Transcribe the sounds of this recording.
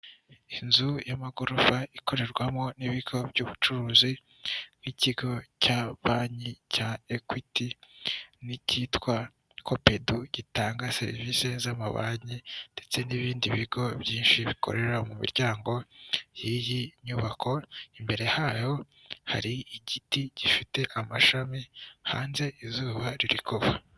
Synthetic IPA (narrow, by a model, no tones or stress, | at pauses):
inzujamaɡoɾuvaiko̞ɾe̞ɾɡwamŋo̞niβiɡ̥o̞bɟuːβut͡ʃuɾuːzi | niciɡo̞caβaːɲicaekwiti | nicitkwa | kʰope̞duɟ̥itaːŋɡase̞̰ɾḭvise̞zamaβa̰ɲinde̞t͡se̞niβiːndiβiɡo̞bjiːnʃiβikʰo̰ɾe̞ɾamumḭɾɟaːŋɡo̞jijiɲuːβakʰo̞imbe̞ɾe̞haːjo̞ | ha̰ɾiiɟitiɟ̥ifite̞ʔamaʃamiha̰ːnze̞ʔizuːβaɾiɾikʰoβa